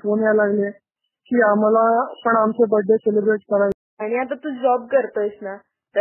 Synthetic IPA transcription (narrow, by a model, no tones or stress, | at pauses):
fonjalaɡle | kiːam̤alapəɳamt͡sebəɖʱːeselebɾeʈkəɾaj | aɽ̃iat̪̬at̪uːd͡ʑɔb̚kəɾt̪əsna | t̪ə